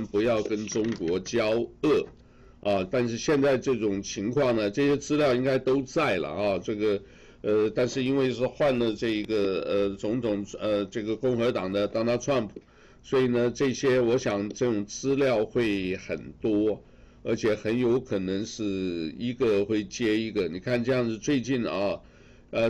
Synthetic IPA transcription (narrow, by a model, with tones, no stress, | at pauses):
npu˧˥jɑ˥˩ʊkə˥nʈ͡ʂʊ˥ŋkwɔ˧˥t͡ɕjɑ˥ʊɤ˥˩ | ɐ˧˩t̪a˥˧nʂ̬ɻ̩˥˧ɕjɛ˥˧nt͡sa˥˧ɪə˧ʈ͡ʂɤ˥˩ʈ͡ʂʊ˨˩ŋt͡ɕʰi˧˥ŋkʰwɑ˥˩ŋnə˩ʈ͡ʂɤ˥˩ɕjɛ˥t͡sɹ̩˥ljɑ˥˩ʊi˥ŋɡa˥ɪt̪o˥ʊt͡sa˥˩ɪlə̰˩ɐ˥˧˩ʈ͡ʂɤ˥˩ɡə˩ | ə˥˧t̪a˥˧nʂɻ̩˥˧i˥nwe˥˧ɪʂɻ̩˥˧xwa˥˧nlə˨ʈ͡ʂɤ˥˩i˧˥ɡə˩ə˧t͡sʊ˧˥ŋt̪ʰʊ˨˩ŋə˧ʈ͡ʂɤ˥˩ɡə˩kʊ˥˩ŋxɤ˧˥t̪ɑ˨˩ŋd̪ə˦t̪ɑ˥ŋt̪ɑ˥˧ʈ͡ʂʰwa˥˩npʰu̥˨˩˦ | swɔ˧˥i˨˩nə˩ʈ͡ʂɤ˥˩ɕjɛ˥wɔ˧˥ɕjɑ˨˩ŋʈ͡ʂɤ˥˩ʈ͡ʂʊ˨˩ŋt͡sɹ̩˥ljɑ˥˧ʊxwe˥˩ɪxə̰˨˩nt̪wɔ˥ | ə˞˧˥t͡ɕʰjɛ˨˩˥xə˧˥njo˧˥ʊkʰɤ˨˩nɤ˧˥ŋʂɻ̩˥˩i˧˥ɡə˧xwe˥˩ɪt͡ɕjɛ˥i˧˥ɡə˨ni˨˩kʰa˥˩˧nʈ͡ʂɤ˥˧jɑ˥˧ŋʂɻ̩˥˧t͡swe˥˧ɪt͡ɕi˥˩n˨ɑ˥˩ | ə˧